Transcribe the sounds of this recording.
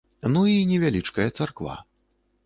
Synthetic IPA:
nuinʲɛvʲalʲit͡ʂkɐjɐt̪sarkva̰

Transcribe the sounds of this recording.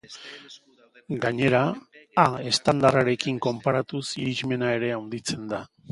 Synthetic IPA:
ɡaɲe̞ɾaː | e̞st̪and̪araɾe̞kiŋko̞mpaɾat̪usiɾiʒme̞nae̞ɾe̞awnd̪it͡se̞nd̪a

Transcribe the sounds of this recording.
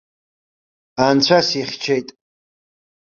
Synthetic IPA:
ant͡ɕʷʰasiχʲt͡ʃʰejtʼ

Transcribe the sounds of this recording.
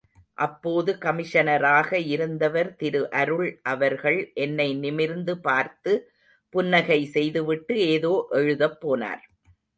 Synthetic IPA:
ʔɐpːoːðɯkɐmɪʂɐnɐɾaːɣɐɪɾɯnd̪ɐʋɐɾt̪ɪɾɯʔɐɾɯɭʔɐʋɐɾɣɐɭʔɛnːɐɪnɪmɪɾnd̪ɯpaːɾt̪ɯ | pʊnːɐɣɐɪsɛjðɯʋɪʈːɯeːðoːʔɛɻɯðɐpːoːna̰ːɾ

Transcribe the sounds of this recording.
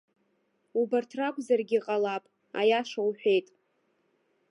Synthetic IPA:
ubartʰrakʷʼzarɡʲiqʼalapʼ | a̰jaʂawħʷᶣe̞jtʼ

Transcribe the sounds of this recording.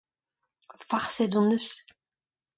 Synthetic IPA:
faʁsed̪ɔ̃nəs

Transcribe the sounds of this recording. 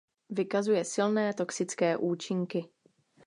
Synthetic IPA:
vɪkazujɛsɪlnɛːt̪o̞ksɪt͡skɛːʔuːt͡ʃɪŋkɪ

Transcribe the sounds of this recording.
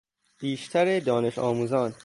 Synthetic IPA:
b̥iːʃt̪ʰæɾed̪ɒːne̞ʃɒːmuːzɒːn

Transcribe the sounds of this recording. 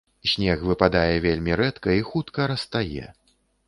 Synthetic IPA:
sʲnʲɛxvɨpad̪ajɛvʲelʲmʲiɾɛt̪kɐixut̪kɐɾɐst̪ajɛ̰

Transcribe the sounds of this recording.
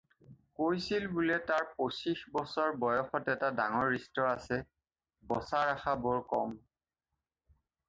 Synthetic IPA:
kojsilbulɛtaɹposixbɔsɔɹbɔjɔxɔtɛtadaŋɔɹːistɔasɛ | bɔsaɹaxabɔɹkɔm

